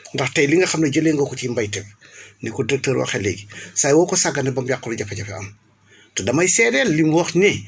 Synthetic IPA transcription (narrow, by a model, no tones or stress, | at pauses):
ndɐxtɐjliŋɡɐxɐmnɐɟɐleːŋɡɔkɔcimbɐjtɛpnikɔdiɾɛk̚təːɾwɐ̰xɛlḛɡisajwɔːkɔsaɡɐnɛbɐmjakːɔɾuɟɐfɐɟɐfɛɐ̰m | todɐmɐjsɛɾɛlːimwɐxnɛ